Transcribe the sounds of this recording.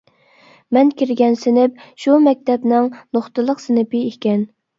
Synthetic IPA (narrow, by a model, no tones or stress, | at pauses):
mɛnkʲiɾɡʲɛnsɪnɪp̚ʃumɛk̚ʲt̪ʰɛpnɪŋnoχt̪əlˠəqsɪnɪpɪekʲɛn